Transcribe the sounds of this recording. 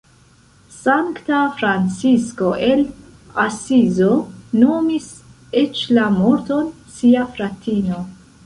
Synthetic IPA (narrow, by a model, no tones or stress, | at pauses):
saŋktafɾant͡sisko̞ʔe̞l | asizo̞no̞mis | et͡ʃlamoɾto̞n | siafɾatʰino̞